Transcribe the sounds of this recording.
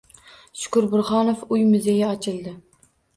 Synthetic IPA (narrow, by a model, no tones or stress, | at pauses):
ʃʊ̥kʊɾbʊɾχɒnofʊjmʊzejaɒt͡ʃʰɪlˠd̪ɪ